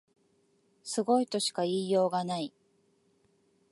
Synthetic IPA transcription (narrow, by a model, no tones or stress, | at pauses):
sɨɡo̞it̪o̞ɕi̥kaiːjo̞ːɡanai